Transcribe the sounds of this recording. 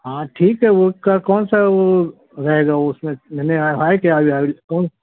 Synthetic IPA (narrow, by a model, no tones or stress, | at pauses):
ɦãːʈʰiːkɦɛʋokakɔːnsaʋo | ɾɐɦeːɡaʊsmẽmɛneaɦaːekiaːʋiaːikɔːn